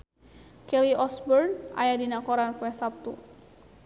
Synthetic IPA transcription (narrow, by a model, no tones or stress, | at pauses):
kɛliʔɔsbɔrna̰jadinakɔɾanpuɛsap̚t̪u